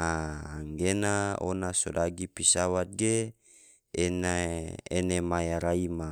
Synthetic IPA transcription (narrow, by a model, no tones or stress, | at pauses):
aːŋɡenao̰nasodaɡipisawat̪̚ɡe | enaenemajaɾaima